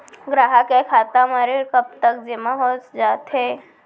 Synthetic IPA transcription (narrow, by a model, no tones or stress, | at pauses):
ɡɾaɦakekʰat̪amaɾekəp̚t̪ək̚d͡ʒemaɦot͡sd͡ʒat̪ɦe